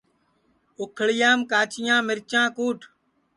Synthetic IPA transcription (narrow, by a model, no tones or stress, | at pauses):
ʊkʰɭɪjãːmkaːt͡ʃɪjãːmɪɾt͡ʃãːkuːʈʰ